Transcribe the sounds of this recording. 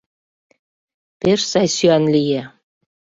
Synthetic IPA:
peʃsɑjsyɑnlije

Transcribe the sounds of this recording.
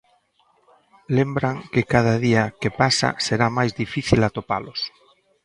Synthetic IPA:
lembɾaŋkɪkað̞aðiakepasa̰seɾamajzðifiθilat̪opalʊs

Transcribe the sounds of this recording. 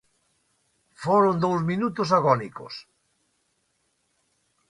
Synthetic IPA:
foɾʊnd̪owzminut̪ʊs̬aɣɔniko̰s

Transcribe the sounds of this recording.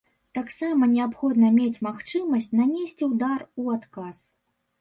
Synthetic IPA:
t̪aksamɐnʲɛapxɔd̪nɐmʲet͡sʲmaxt͡ʂɨmɐsʲt͡sʲnanʲesʲt͡sʲiwd̪aruat̪kas

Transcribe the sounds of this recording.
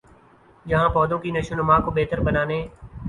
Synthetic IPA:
d͡ʒəɦãːpɔːd̪õːkinəʃʊnəmaːkoːbeːt̪əɾbənaːneː

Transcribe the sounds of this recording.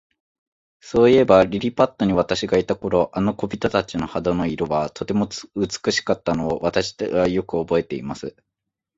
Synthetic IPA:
so̞ːie̞baɾʲiɾʲipat̪ːo̞ɲ̟iβ̞at̪aɕiɡait̪ako̞ɾo̞ʔano̞ko̞bʲit̪ot̪at͡ɕino̞had̪ono̞iɾoβat̪o̞t̪e̞mo̞ɯt͡sɨ̥kɯ̟ɕi̥kat̪ːano̞ːβat̪aɕi̥ajo̞kɯ̟o̞bo̞e̞t̪e̞imasɨ

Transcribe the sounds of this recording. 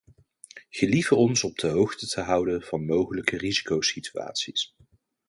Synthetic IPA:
χəlivərɔnsɔb̚dəɦowχtətʰəɦʌwdənv̥ɑnmowχələkərizikowsitya̰ːtsis

